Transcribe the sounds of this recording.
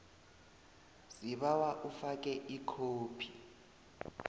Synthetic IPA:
z̥iβawaʔufak̬ʼɛʔikʰoːpʰi

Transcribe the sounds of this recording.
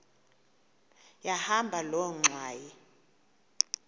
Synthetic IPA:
jahambʱalɔŋ͡ǀʱwaːji

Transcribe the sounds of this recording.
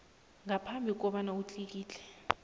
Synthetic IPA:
ŋapʰambʱik̬ʼɔɓanaut͡ɬʼik̬iːt͡ɬɛ̥

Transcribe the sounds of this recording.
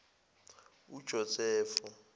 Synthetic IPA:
ud̥ʒ̥ʱɔsɛːfu

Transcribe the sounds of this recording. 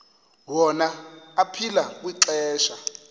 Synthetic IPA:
wɔnaːpʰilak̬wiǀɛːʃa

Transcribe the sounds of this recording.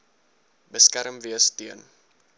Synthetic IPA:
bəskæɾəmviəstiən

